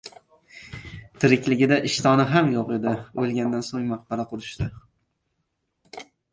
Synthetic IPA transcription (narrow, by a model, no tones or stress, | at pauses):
t̪ʰɪɾɪkʲlɪɡʲɪd̪aʔɪʃt̪ɒnɪɦamjoqe̞d̪ɪolˠɡʲand̪ansoŋmaq̚b̥aɾaqʰʊɾɪʃt̪ɪ